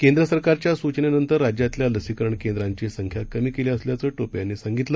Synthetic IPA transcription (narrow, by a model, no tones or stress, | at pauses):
kend̪ɾəsəɾkaɾt͡ɕjasut͡ɕnenənt̪əɾːad͡ʑjat̪ljaləsikəɾəɳkend̪ɾaɲt͡ɕesəŋkʰjakəmiːkeleəsljat͡səːʈopjanːesaŋɡit̪lə